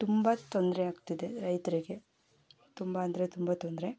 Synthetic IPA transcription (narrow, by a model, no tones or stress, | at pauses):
t̪umbɐt̪ond̪ɾeaːɡt̪id̪e̞ɾɐjt̪ɐɾiɡe̞ | t̪umbɐɐnd̪ɐɾet̪umbɐt̪ond̪ɾe